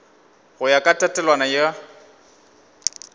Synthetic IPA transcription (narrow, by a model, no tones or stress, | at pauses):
ɣʊjakʼatʼatʼɛlwanaja